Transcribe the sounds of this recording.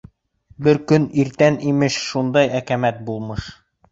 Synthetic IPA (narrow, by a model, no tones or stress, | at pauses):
bɘɾkɵniɾt̪ænimɘʃʃund̪ɑjækæmæt̪̚bulˠmɤʃ